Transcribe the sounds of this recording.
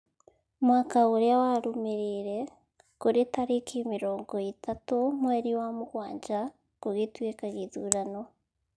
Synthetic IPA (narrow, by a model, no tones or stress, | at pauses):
mwaːkauɾijawaɾumiɾiɾe | kuɾitaɾikimiɾoːŋɡoitʰatumweːɾiwamuɡwaːɲd͡ʒa | kuɡitwekaɡizuːɾano